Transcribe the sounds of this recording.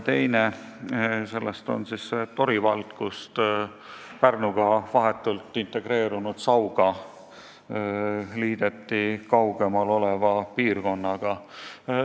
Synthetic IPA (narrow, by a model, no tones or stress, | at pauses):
t̪e̞jne | se̞lːest̪o̞̰nsisːet̪o̞ɾivɑlt̪kust̪ | pærnuɡ̥ɑvɑɦe̞t̪ːˑult̪ːˑint̪e̞ɡ̥ɾe̞ːɾunud̪̥sɑwɡ̥ɑ | liːd̪̥e̞t̪ːikɑwɡ̥e̞mɑlo̞le̞vɑpiːrko̞nːɑɡ̥ɑ